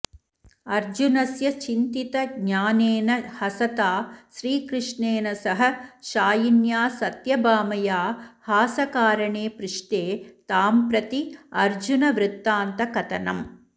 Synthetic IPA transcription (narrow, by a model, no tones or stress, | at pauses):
ɐɾd͡ʒunɐsjɐt͡ʃint̪it̪ɐɡɲaːneːnɐhɐsɐt̪aːʃɾiːkɾɪʂɳeːnɐsɐɦɐ̆ʃaːjinjaːsɐt̪jɐbaːmɐjaːhaːsɐkaːɾɐɳeːpɾɪʂʈeːt̪aːmpɾɐt̪iɐɾd͡ʒunɐʋɾɪt̪ːaːnt̪ɐkɐt̪ɐnɐm